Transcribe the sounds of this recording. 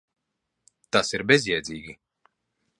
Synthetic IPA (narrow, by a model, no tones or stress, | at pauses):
t̪asiɾbezʲjɛːd̪zʲiːɡʲi